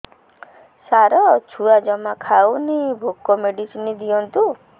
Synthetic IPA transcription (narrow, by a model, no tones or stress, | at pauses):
saɾɔt͡ʃʰuad͡ʒɔmakʰawnibʱukɔmeɖisinid̪iɔnt̪u